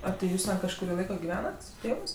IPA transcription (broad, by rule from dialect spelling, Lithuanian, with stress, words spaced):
ɐ tʲeː ˈjuːs tʲɛn kɐʃkʊˈrʲiː ˈlˠɐɪkoː ɡʲɪˈʋʲæːnɐt sʊ ˈtʲeːʋɜs